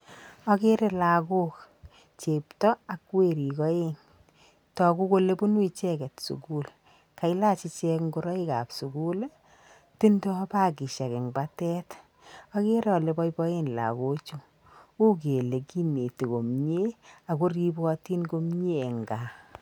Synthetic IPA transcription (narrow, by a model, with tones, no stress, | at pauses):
ɔ˦ke˦ɾe˦la˨ko˦k | t͡ʃe˨ptɔ˦a˨kwe˦˨ɾi˨kɔ˦e˦n | tɔ˨ku˦ko˦le˦bu˦nwi˦t͡ʃɛ˦kɛ˨tsṵ˨ɡu˦l | ka˨i˦la˦t͡ʃi˧t͡ʃɛ˧kŋɡo˦ɾɔ˦i˦ka̰˨psu˨ɡu˦l | ti˦ndɔ˦ba˦ɡi˨ʃa˨kɪ˨ŋba˦tɛ˦t | ɔ˦ke˦ɾɔ˨le˨bɔ˦jbɔ˦e˦nla̰˨ɡo˦t͡ʃu˦ | u˦k̬e˨le˨ki˦ne˨ti˨ko˨mɲe˦a˨ɡo˦ɾi˦bɔ˦ti˦nɡo˦mɲe˦e˨ŋɡa˨